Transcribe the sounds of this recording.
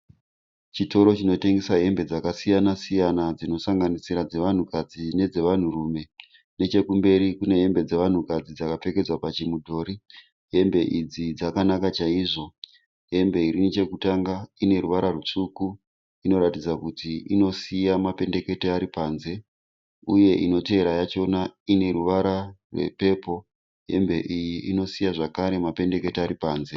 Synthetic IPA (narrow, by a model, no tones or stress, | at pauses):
t͡ʃito̞ɾo̞t͡ʃino̞te̞ŋɡe̞saɦe̞mbe̞d͡zakasijanasijanad͡zino̞saŋɡanisiɾad͡ze̞ʋan̤ukad͡zine̞d͡ze̞ʋan̤urume̞ | ne̞t͡ʃe̞kumbe̞ɾikune̞ɦe̞mbe̞d͡ze̞ʋan̤ukad͡zid͡zakap͡fe̞ke̞d͡zwapat͡ʃimudʱo̞ɾi | ɦe̞mbe̞ʔid͡zid͡zakanakat͡ʃaiʐo̞ | ɦe̞mbe̞iɾinit͡ʃe̞kutaŋɡaine̞ɾuʋaɾarut͡ʂuku | ino̞ɾatid͡zakutiino̞sijamape̞nde̞ke̞teaɾipaːnze̞ | uje̞ʔino̞te̞eɾajat͡ʃo̞naine̞ruʋaɾarwḛpe̞po̞ | ɦe̞̰mbe̞ʔijiino̞sijaʐakaɾe̞mape̞nde̞ke̞teaɾipaːnze̞